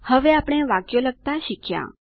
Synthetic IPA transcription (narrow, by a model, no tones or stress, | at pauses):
həʋeapɽ̃ẽʋakjoləɡ̚t̪aɕikʰja̰